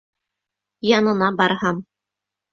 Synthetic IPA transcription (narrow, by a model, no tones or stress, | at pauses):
jɑnɤ̆nɑbɑɾhɑm